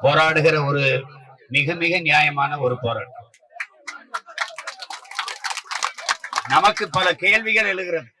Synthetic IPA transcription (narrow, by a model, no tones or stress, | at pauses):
poːɾaːɽɯɣɪrɐɔɾɯnɪɣɯmɪɣɐnɪjaːjɐmaːnɐɔɾɯpoːɾa̰ːʈː | nɐmɐkːɯpːɐlɐkeːɭʋɪɣɐɭɛɻɯɣɪrɐðɯ